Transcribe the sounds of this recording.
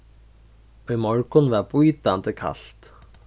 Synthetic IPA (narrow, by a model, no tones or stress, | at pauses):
œjmɔɹkʊnvɛpujt̪ant̪əkʰa̰ɬt̪